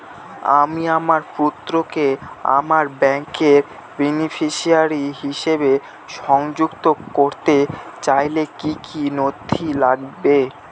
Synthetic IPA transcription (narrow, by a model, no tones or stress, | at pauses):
a̰miamaɾput̪ːɾokea̰maɾbɛŋkeɾ | binifʰiʃiaɾiɦiʃebe | ʃɔŋd͡ʑukt̪ooɾt̪et͡ɕajlekikʰinod̪ʱʰilaɡbe